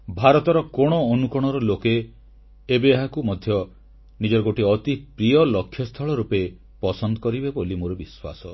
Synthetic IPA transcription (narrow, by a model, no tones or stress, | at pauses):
bʱaɾɔt̪ɔɾɔkoɽ̃ɔːnukɔɽ̃ɔɾɔlokeː | beːɦakumɔd̪ʱjɔ | nid͡ʒɔɾɔɡoʈiɔt̪ipɾijɔlɔkʰːjɔst̪ʰɔɭɔɾupe | pɔsɔnd̪ɔkɔɾibebolimoɾɔbiswa̰sɔ